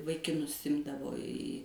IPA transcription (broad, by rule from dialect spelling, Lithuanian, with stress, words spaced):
ʋɐɪkʲɪˈnʊs ˈɪmdɐʋoː iː